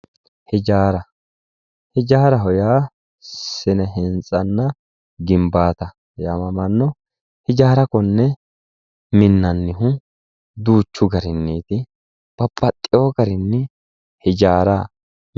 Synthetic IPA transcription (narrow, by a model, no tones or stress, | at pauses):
hɛd͡ʒaːɾɐ | hɛd͡ʒaːɾɐɦɔjaː | sɪnɛɦɛnt͡sʼɐnːɐ | ɡɪmbaːt̪ɐ | jaːmɐmɐnːɔ | hɪd͡ʒaːɾɐkɔnːɛ | mɪnːɐnːɪɦʊ | d̪uːt͡ʃːʊɡɐɾɪnːiːt̪ɪ | b̥ɐpːɐt̪ʼːɪjoːɡɐɾɪnːɛ | hɛd͡ʒaːɾa